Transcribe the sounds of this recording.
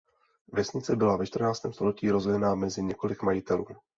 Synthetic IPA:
vjɛsɲɪt͡sɛbɪlavɛt͡ʃt̪r̩naːt͡st̪ɛːmst̪o̞lɛciːɾo̞zɛjɛnamɛzɪɲɛko̞lɪkmajɪt̪ɛluːm

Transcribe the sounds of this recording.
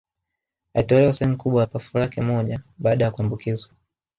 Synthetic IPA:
aitɔlɛwasɛhɛm̩ukuɓwajapafulakɛmɔʄaɓaːɗajakuambukizwa

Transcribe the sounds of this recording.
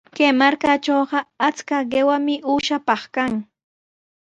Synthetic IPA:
kejmaɾkat͡ʃoːɢɑat͡skaɢewamɪʔuːʃapɑχkaŋ

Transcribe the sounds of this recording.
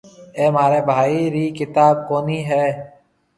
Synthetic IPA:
eːmaːɾeːbʱaːiːɾiːkɪt̪aːb̚koːniːɦɛː

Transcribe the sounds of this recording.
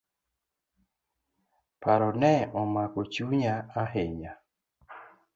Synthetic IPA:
paɾɔnɛɔmakɔt͡ʃuɲaaɦeɲa

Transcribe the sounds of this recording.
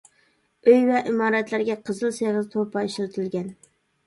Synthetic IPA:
øjwɛʔɪmɑːɾæt̪læɾɡʲɛqʰɨzɨlˠseʁɨzt̪ʰopʰɑiʃɪɾt̪ʰɪlɡʲɛn

